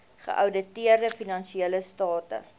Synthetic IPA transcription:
χə̰ʔɐwdətiərdəfinɐnʃieələstɑːtə̰

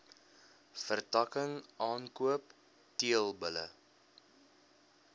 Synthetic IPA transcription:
fərtɐkəŋʔɑːnkuəp | tiəlˠbələ̰

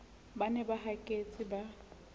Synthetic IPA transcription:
banɛbaɦakʼet͡sʼiba

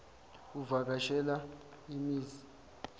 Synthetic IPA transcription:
uvak̬aʃɛla | imiːzi

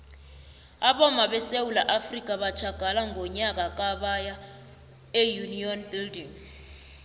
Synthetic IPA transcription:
aɓɔmaɓɛsewulaʔafrikʼaɓḁt͡ʃʰaɡ̥ʱalaŋɡʱɔɲak̬ʼak̬ʼaɓaja | ejuniɔnbildiŋ

